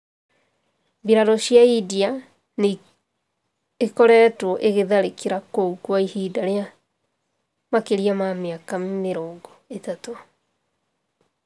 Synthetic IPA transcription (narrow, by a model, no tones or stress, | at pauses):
biɾaɾɔɕjaidia | n | ekɔɾɛːtwɔʔeɣeðaɾekiɾakoukwaihidaɾea | makeɾiamameakameɾoːŋɡoetato